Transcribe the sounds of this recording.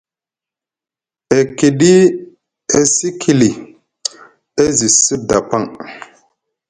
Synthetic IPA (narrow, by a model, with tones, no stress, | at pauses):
e˨ki˨ɗi˦ | e˦si˦kʰi˨li˨ | e˦zi˨sɨ˦p̚da˨pa˦ŋ